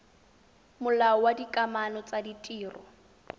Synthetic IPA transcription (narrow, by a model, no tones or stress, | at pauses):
mʊlaɔwadikʼamanɔt͡saditʼiːrɔ